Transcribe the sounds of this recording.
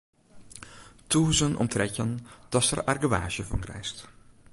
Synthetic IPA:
tuːzənʔɔ̰mtrɛcənd̥ɑsərarɡəʋa̰ːʒəvɑ̰nkrɛ̰jst

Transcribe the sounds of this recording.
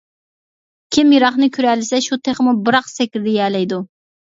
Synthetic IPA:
kʲʰimjiɾɑχnɨkʲʰyɾɛlɪsɛʃut̪ʰeχmubɨɾɑqsɛkʲɾɪd̪ɛjɛːlɛjd̪u

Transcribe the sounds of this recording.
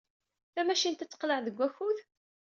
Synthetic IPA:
θæmæʃint̪æt͡sːə̥qləʕðəɡʷːæçuð

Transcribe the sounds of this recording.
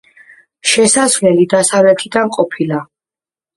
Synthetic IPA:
ʃɛsasvlɛlid̪asavlɛt̪ʰid̪anqʼɔpʰila

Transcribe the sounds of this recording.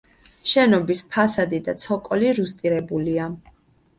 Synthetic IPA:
ʃɛnɔbispʰasad̪id̪at̪sʰɔkʼɔliɾust̪ʼiɾɛbulia

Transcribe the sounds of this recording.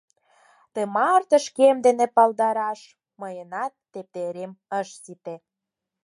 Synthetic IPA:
t̪emɑrt̪ə̆ʃkemd̪enepɑld̪ɑɾɑʃ | məjənɑt̪ːep̚t̪eɾeməʃsit̪e

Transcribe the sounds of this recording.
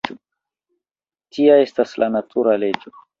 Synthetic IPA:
tiae̞staslʔanatʰuɾale̞d͡ʒo

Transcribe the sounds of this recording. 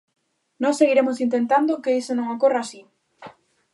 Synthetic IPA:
nɔ̃seɣiɾemosint̪ent̪and̪okeðisenõŋakoraːsi

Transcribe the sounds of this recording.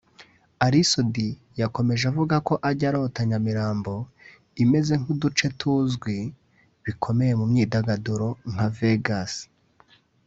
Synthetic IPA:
aɾisodi | jako̞me̞ʒavuɡako̞ʔaɟaɾo̞taɲamiɾaːmbo̞ | ime̞ze̞ŋudut͡ʃe̞tʰuːzɡwi | βikʰo̞me̞je̞mumɲiːdaɡaduɾo̞ŋ̥aveɡas

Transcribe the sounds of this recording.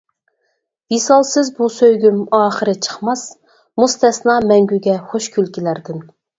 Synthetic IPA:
visɑlˠsɪzbusøjɡʲymɑːχəɾɨt͡ʃʰə̥χmɑs | must̪ɛsnɑmɛŋɡʲyɡʲɛχoʃkʲʰylkʲilæɾd̪ɪn

